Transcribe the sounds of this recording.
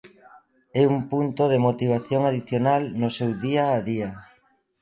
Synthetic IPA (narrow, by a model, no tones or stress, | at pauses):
ɛumpunt̪oðemot̪iβ̞aθjoŋaðiθjonalnosewðiaːðia